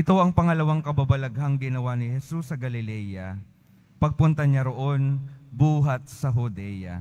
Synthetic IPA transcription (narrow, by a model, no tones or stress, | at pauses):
ʔɪt̪o̞ʔɐŋpɐŋɐlɐwaŋkɐbabɐlɐɡhaŋɡɪnɐwanɪhɛsusːɐɡɐlɪlɛjɐ | pɐɡ̚pʊnt̪ɐɲaɾo̞ʔo̞nbuːɦɐt̪̚sɐɦʊd̪ɛjɐ̰